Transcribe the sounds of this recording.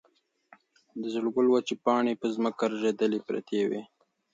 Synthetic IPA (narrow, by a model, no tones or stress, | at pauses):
d̪əzəɽɡəlwat͡ʃepɑɳepəzməkaɾaʒed̪əlipɾa̰t̪ʰewḛ